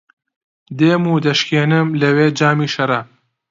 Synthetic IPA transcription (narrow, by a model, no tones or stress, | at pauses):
d̪eːmuːd̪ɐʃkeːnɨmlɐweːd͡ʒaːmiːʃɐɾɐ